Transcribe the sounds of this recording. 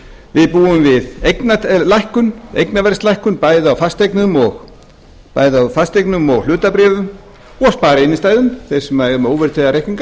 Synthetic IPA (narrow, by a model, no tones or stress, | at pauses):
vɪðpuːʏmvɪðejknalajhkʏnḛjknavɛr̥st̪lajhkʏnpaːjðɪawfast̪ejknʏmɔɣ | pa̰ːjðawfast̪ejknʏmɔɣl̥ʏːt̪apɾɛːvʏm | ɔɣspaːɾɪɪnːɪst̪aːjðʏmθejsɛmːajʏmowvɪɾ̥t̪ʰɛjðaɾejhkniŋka